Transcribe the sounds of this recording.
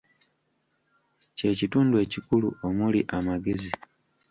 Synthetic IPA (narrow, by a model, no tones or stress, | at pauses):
ce̞ːcituːndue̞ːcikuluo̞muliʔamaɡe̞zi